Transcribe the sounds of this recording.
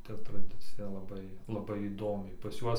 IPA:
ˈtɐ trɐˈdʲɪt͡sʲɪjɛ lˠɐˈbɐɪ lˠɐˈbɐɪ iːˈdoːmʲɛɪ pɐs ˈjuɔs

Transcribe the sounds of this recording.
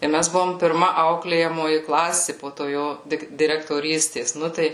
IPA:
ɪr ˈmʲæs ˈbʊʋoːm pʲɪrˈmɐ ˈɐʊklʲeːjɛmoːjɪ ˈklˠɑːsʲɪ poː toː ˈjoː ˈdʲɪk dʲɪrʲɛktoːˈrʲiːsʲtʲeːs ˈnʊ tɐɪ

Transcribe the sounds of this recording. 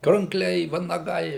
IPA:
krɐŋkˈlʲɛɪ ʋɐnɐˈɡɐɪ

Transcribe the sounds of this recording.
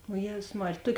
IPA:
oː ˈjeːzʊs ˈmɑːrʲeːj ˈtuɔkʲ

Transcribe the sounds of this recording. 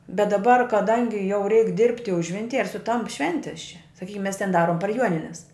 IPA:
bʲɛt dɐˈbɐr kɐˈdɐŋʲɡʲɪ jɛʊ rʲɛɪk dʲɪrʲpʲtʲɪ ˈʊʒʲʋʲɪnʲtʲɪj ɪr sʊˈtɐmp ˈʃʲʋʲɛnʲtʲɪs t͡ʃʲɛ sɐˈkʲiːkʲɪm mʲɛs tʲɛn ˈdɑːroːm pɐr ˈjuɔnʲɪnʲɛs

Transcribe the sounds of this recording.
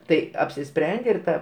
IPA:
ˈtɐɪ ɐpʲsʲɪˈsʲpʲrʲɛnʲdʲeː ɪr ˈtɐ

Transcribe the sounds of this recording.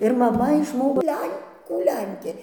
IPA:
ɪr mɐˈmɐ ɪʃˈmoːkoː ˈlʲɛŋkuː ˈlʲɛŋʲkʲeː

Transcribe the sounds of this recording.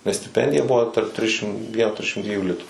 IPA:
nʲɛs sʲtʲɪˈpʲɛnʲdʲɪjɛ ˈbʊʋoː tɐrp ˈtʲrʲɪʃʲɪm ˈʋʲiɛn ˈtʲrʲɪʃʲɪm ˈdʲʋʲiɛjuː ˈlʲɪtuː

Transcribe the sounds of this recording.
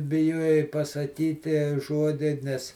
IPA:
bʲɪˈjuɔjɛɪ pɐsɐˈkʲiːtʲiɛ ˈʒuɔdʲɪ ˈnʲɛs

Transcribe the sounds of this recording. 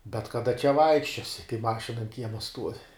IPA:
bʲɛt kɐˈdɐ t͡ʃʲɛ ˈʋɐɪkʃʲt͡ʃʲoːsʲɪ kɐɪ ˈmɑːʃʲɪnɐ ɐn ˈkʲiɛmɐ stuɔʋʲɪ

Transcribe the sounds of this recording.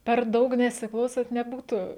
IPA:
pʲɛr ˈdɐʊk nʲɛsʲɪˈklˠɐʊsɐnt nʲɛˈbuːtʊ

